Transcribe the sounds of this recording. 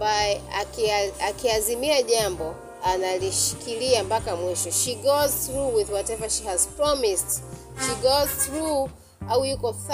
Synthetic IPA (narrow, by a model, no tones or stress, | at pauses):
baɛakakiazimiaʄambɔ | analiʃi̥kiliambakamwiʃɔʃiɡɔzθɾuwiðwɔtɛvaʃihazpɹɔmist | ʃiɡɔzθɾu | aujukɔθ